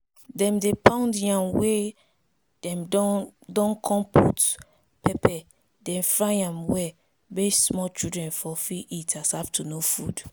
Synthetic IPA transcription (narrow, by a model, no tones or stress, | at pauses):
dɛ̃mdepʰãndjãmwe | d̥ɛ̃mdɔ̃nkʰɔ̃mpʰut | pʰɛpɛ | dɛ̃nfɹajãmwɛ | bessmɔt͡ʃudɹɛ̃nfɔfiʔitʰashaftʰunofud